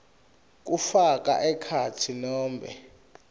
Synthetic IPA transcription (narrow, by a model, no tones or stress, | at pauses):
k̬ufak̬ʼa̰ʔɛkʰatʰinɔːmbʱɛ̰